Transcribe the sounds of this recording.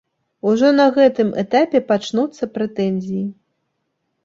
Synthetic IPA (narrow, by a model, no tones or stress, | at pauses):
uʐɔnɐɣɛt̪ɨmʔɛ̰t̪apʲɛpat͡ʂnut̪sːɐpɾɛt̪ɛnʲzʲiji